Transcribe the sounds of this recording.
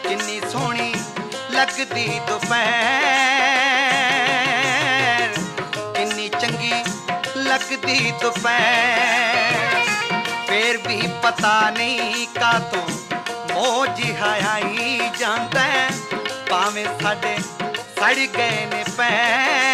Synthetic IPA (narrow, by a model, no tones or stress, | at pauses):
kɪnːiːsoːɽ̃iː | ləɡd̪iːt̪ʊpɛ | ɾkɪnːiːt͡ʃəŋɡiːləɡd̪iːt̪ʊpɛ | pʰeːɾbʱiːpət̪aːnəĩːkaːt̪ʰoːmoːd͡ʒiɦaːjaːiːd͡ʒaːnd̪aːɦpaːʋẽːsʰaːɖeːsəɽɡəeːnẽːpɛː